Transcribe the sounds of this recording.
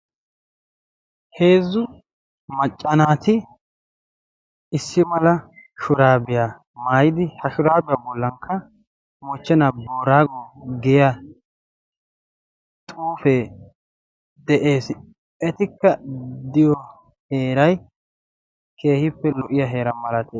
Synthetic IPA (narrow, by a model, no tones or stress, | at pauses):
he̞ːzːʊ | mɐt͡ʃʼːɐnaːt̪ɪ | ɪsːɪmɐlɐʃʊɾaːbɪja | maːjɪd̪ɪhɐʃʊɾaːbɪjaːbɔlːɐŋkʰːɐ | mɔt͡ʃːɛnaboːɾaːɡɔɡɛja | tʼuːfɛ | d̪ɛʔe̞ːs | ʔɛt̪ɪkːɐd̪ɪjɔ | he̞ːɾɐj | kʰe̞ːhɪpːɛlɔʔɪjaɦe̞ːɾɐmɐlɐt̪eː